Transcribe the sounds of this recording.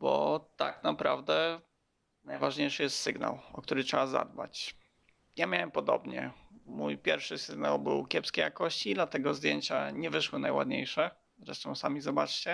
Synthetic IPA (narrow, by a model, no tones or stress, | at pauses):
bɔ̰t̪a̰knapɾa̰vd̪ɛ | najvaʐɲejʂɘjɛst̪sɘɡna̰wɔk̚t̪uɾɘtʂɛaza̰d̪̚bat͡ɕ | jamʲjawɛmpɔd̪ɔ̰bɲɛ̰mujpʲjɛɾfʂɘsɘɡna̰wbɘ̰wkʲjɛpskʲɛjakɔɕt͡ɕid̪lat̪ɛɡɔzd̪ʲjeɲt͡ɕa̰ɲɛvɘʂwɘnajwa̰d̪ɲejʂɛ | zɾɛ̰ʂt̪ɔ̃w̃samʲizɔbat͡ʂt͡ɕɛ